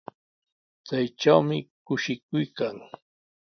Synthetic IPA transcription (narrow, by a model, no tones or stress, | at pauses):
t͡sajʈ͡ʂawmɪkʊʃɪkʊjkaŋ